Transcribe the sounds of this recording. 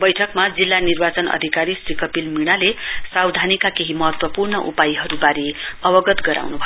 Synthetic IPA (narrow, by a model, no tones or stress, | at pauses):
bʌjʈʰʌkmad͡zilːanirbat͡sʌnʌ̰d̪ʱikaɾisrikʌpilmiɽ̃alesawd̪ʱanikakeɦimʌɦʌt̪wʌpurnʌʔṵpajiɦʌɾubaɾiʌbʌɡʌt̪ɡʌɾa̰wnubʱʌ